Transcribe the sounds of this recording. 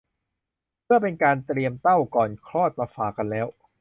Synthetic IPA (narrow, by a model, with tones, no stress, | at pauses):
mʰɯ˥˩əpe˧nkaː˧nt̪ɾi˧əmt̪a˥˩wkɔː˨˩nkʰɾɔː˥˩t̪̚maː˧faː˨˩ka˧nlɛː˦˥w